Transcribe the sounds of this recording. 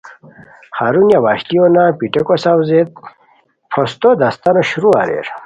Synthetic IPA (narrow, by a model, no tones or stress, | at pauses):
χaɾunjawaɕt̪ionapiʈekosawzet̪̚ | pʰost̪od̪ast̪anoɕuɾua̰ɾḛɾ